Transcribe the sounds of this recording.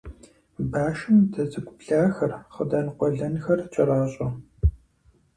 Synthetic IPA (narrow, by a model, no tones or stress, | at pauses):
baːʃɨmdʰɐzɨɡʷʼʊpɬaːxɐrχədaːnqʷɔɮɐnxɐrt͡ʃʼɐɾaːɕʼɐ